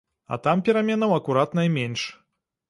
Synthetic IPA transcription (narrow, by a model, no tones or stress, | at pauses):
ɐ̰t̪ampʲɛɾamʲɛnɐwɐkuɾat̪nɐjmʲɛnʂ